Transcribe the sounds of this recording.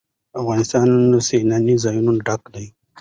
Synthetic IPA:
afɣɑnɪst̪ɑnnosenanizɑjunuɖakla

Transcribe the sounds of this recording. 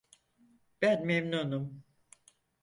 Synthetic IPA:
b̥ænmemnunum

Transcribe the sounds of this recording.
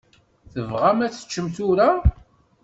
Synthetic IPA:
θəvʁamæt͡sːə̥t͡ʃːəmt̪ʊɾa

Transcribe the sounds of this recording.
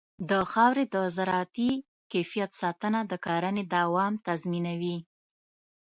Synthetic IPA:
d̪əxɑwɾed̪əzaɾɑt̪i | kefijat̪sɑt̪ənad̪əkɑɾaned̪awɑmt̪azminawi

